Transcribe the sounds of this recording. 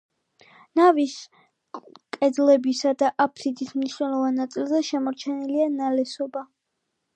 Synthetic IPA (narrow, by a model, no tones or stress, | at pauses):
navis | kʼɛd̪lɛbisad̪aʔapʰɾid̪ismniʃnɛlˠɔvanːat̪sʼilˠzɛʃɛmɔɾt͡ʃʰɛnilianalɛsɔba